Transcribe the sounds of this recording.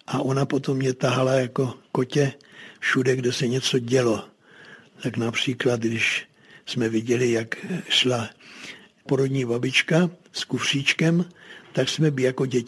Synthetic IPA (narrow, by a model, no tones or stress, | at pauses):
ʔaʔo̞napo̞t̪o̞mːɲɛt̪aɦalajako̞ko̞cɛfʃudɛɡdɛsɛɲɛt͡soɟɛlo̞ | t̪aknapr̝̥iːklat̪ɡdɪʃ | smɛvɪɟɛlɪjakʃla | po̞ɾod̪ɲiːbabɪt͡ʃkaskufr̝̥iːt͡ʃkɛmt̪aksmɛbjako̞ɟɛ